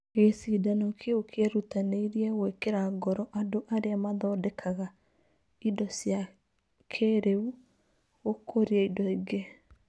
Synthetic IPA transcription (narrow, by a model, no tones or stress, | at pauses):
esidanokʰeokʰeɾutaneiɾiɛwekeɾaɡɔɾɔʔadoʔaɾeamaðɔdɛkʰaɣa | idɔsja | kʰeɾeu | okʰoɾiaidɔiɡe